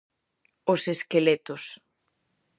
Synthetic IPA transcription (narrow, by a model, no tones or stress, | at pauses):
oseskelet̪ʊs